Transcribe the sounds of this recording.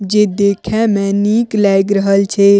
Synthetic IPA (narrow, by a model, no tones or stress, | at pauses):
d͡ʒeːd̪eːkʰɛ̃mɛ̃niklɛjɡɾəɦəlt͡ʃʰe